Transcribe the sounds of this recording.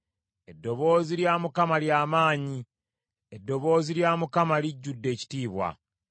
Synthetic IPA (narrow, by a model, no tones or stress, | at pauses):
e̞dːo̞βo̞ːziljaːmukamaljaːmaːɲi | edːo̞βo̞ːziljaːmukamaliɟːudːe̞ːci̥tiːβwa̰